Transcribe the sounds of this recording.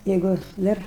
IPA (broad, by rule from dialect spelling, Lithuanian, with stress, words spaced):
ˈjɛɪɡʊ ˈdɐr